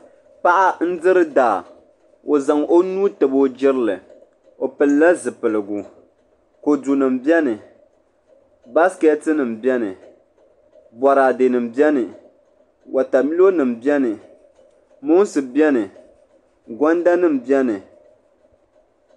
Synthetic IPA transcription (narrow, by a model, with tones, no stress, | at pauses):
pa˦ʔa˦n̩˦dɨ˦ɾɨ˦daː˨ | o˨za˨ŋo˦nuː˦tɨ˨bo˦d͡ʒɪ˦ɾɨ˦lɨ˨ | o˨pɨ˨lla˦zɨ˨pɨ˨lɨ˨ɡu˨ | ko˨du˨nɨ˨mbjɛ˦nɨ˨ | ba˦skɛ˦tɨ˦nɨ˨m̩˨bjɛ˦nɨ˨ | bɔ˨ɾaː˨de˨nɨ˨m̩bjɛ˦nɨ˨ | wʔa˨ta˨mi˦lo˦nɨ˨m̩bjɛ˦nɨ˨ | mo˦n˦sɨ˨bjɛ˦nɨ˨ | ɡʷɔ˦nda˦nɨ˦˨m̩bɛ˦nɨ˨